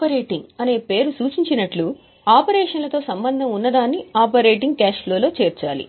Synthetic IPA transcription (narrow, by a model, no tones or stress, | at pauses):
pɐɾeːʈiŋɡɐne̞ːpe̞ːɾusuːt͡ʃiɲt͡ʃinɐʈlu | aːpɐɾɛːʂɐnlɐt̪o̞ːsɐmbɐnd̪ʱɐmunːɐd̪aːnːiaːpɐɾeːʈ̬iŋɡkaːʃlo̞ːlo̞ːt͡ʃeːɾt͡ʃa̰ːlḭ